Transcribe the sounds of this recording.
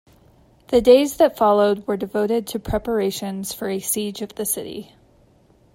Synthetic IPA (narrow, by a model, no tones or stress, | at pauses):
ðɨdeɪzðɨtfɑlˠoʊd̚wə˞dɨvoʊɾɪd̚tʰɨpʰɹ̥ɛpə˞eɪʃɨ̃nz̥fə˞ɨsid͡ʒʌvðɨsɪɾḭ